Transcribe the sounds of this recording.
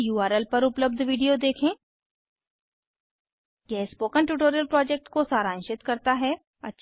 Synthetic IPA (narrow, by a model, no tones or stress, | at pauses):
juːaːɾelpɐɾʊpləb̚d̪ʱʋiːɖijod̪eːkʰẽː | kɛːspoːkənʈuːʈ̬oːɾijəlpɾɔːd͡ʒeːk̚ʈkosaːɾãːnʃɪt̪kɐɾt̪aɦɛ | ɐ̰tːʃ